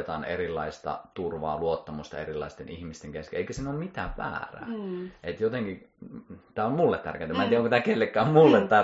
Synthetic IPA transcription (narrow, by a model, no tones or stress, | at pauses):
t̪ɑːnḛrilːɑist̪ɑ̰t̪urʋɑ̰ːluot̪ːɑmust̪ɑ̰erilːˑɑ̰ist̪ḛnihmist̪eŋkeskḛeikøsenolmit̪æːʋʋæ̰ːræ̰ːet̪jot̪eŋki | t̪æːommulːet̪t̪ːæ̰rkent̪æmæːnt̪iæokot̪æːkelːekːæommulːet̪t̪æ